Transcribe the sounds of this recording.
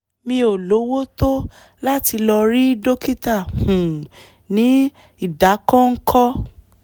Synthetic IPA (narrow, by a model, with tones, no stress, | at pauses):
mĩ˧o˨lo˨˦wo˦to˦ | la˦ti˧lɔ˧ɾi˦do˦ki˦ta˦˨hũ˨ | nĩ˨˦ | i˦˨da˨˦kɔ̃˦ŋ̩˦kʰɔ˦